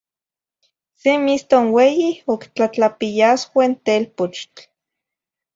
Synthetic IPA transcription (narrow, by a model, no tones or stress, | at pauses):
semist̪onwejiokt͡ɬat͡ɬapijaswaint̪elpot͡ʃt͡ɬ